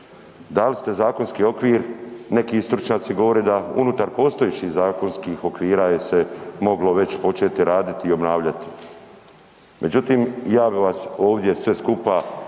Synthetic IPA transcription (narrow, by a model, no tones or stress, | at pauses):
d̪alist̪e̞zaːko̞nskiːo̞kʋiːɾne̞kiist̪ɾut͡ʃɲaːt̪siɡo̞ʋo̞ɾed̪aṵnut̪aɾpo̞ːst̪ojet͡ɕihzaːko̞nskiːxo̞kʋiːɾajese̞mo̞ɡlo̞ʋe̞t͡ɕpo̞t͡ʃe̞ːt̪iɾaːd̪it̪iːo̞bnaːʋʎat̪i̥ | mʔe̞d͡ʑut̪iːmjaːbiʋaso̞ːʋd̪je̞sʋe̞skupa